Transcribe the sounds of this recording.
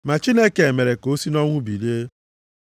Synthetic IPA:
ma˨t͡ʃi˦ne˦ke˨e˨me˨ɾe˨ko˦si˦nɔ˦ŋʷʊ˦bi˨lje˦

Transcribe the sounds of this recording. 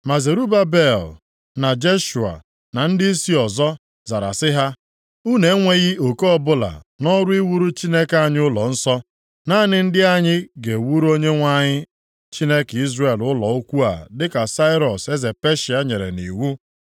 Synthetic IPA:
ma˨ze˨ɾu˦ba˦be˦˨l | na˨d͡ʒe˦ʃu˨a̰˨ | na˨n̩˦dɪ˦si˦ɔ˨zɔ˦ | za˨ɾa̰˨sɪ˦ɦa˦ | u˦ne˨˦ŋʷe˦ɣɪ˦o˨ko˦ɔ˦bʊ˦la̰˨nɔ˦ɾʊ˦i˦wu˦ɾu˦t͡ʃi˦ne˦ka˦ɲɪ˦ʊ˦lɔ˨n̩˦sɔ˦ | na˦nɪ˦n̩˦dɪ˦a˦ɲɪ˦ɡe˨wu˦ɾo˦ɲe˦ŋʷa˦ɲɪ˦ | t͡ʃi˦ne˦ki˦zre˨lʊ˦lɔ̰˨o˦kʷu˦a̰˨dɪ˦ka˨sa˦ɪ˦ɾɔ˨se˦ze˨pe˦ʃi˨a˦ɲe˨ɾḛ˨nḭ˨wu˦

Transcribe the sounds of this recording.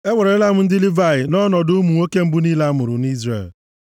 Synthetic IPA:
e˦wʷɔ˨ɾe˨e˦la˦mʊ˦n̩˦dɪ˦lɪ˦va˦˨ɪ˨nɔ˦nɔ˨dʊ˦mu˨ŋo˦ke˦m̩˦bu˦niː˦la˦mʊ˨ɾʊ˨ni˦zrḛ˦˨l

